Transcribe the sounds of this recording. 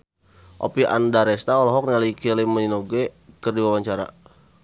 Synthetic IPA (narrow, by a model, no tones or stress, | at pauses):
ʔo̰piʔa̰ndaɾɛst̪aɔlɔɦɔk̚nialikiliməninoɡɛkərdiwawaɲt͡ʃaɾa̰